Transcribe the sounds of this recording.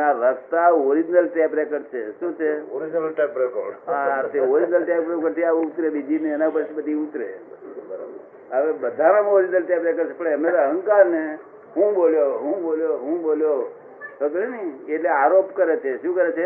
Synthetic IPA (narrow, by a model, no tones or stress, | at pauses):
aɾəst̪aoɾid͡ʒnəlʈɛpɾekəɖt͡ʃʰeʃũt͡ʃʰeoɾid͡ʒnlʈepɾeko̰ɾɖat̪eoɾid͡ʒnəlʈɛpɾekəɖt̪ʰiaʋũʊt̪ɾebid͡ʒineːnapəɾt͡ʃʰibəd̪ʱiut̪ɾḛ | əʋebəd̪ʱaɾamoɾid͡ʒnəlʈɛpɾekəɾt͡ʃʰepəɽeəmesaɦə̃ŋkaɾne | ɦũboljoɦũboljoɦũboljo | sok̪əɾeniːʈleaɾopkəɾet͡ʃʰeʃũkəɾet͡ʃʰe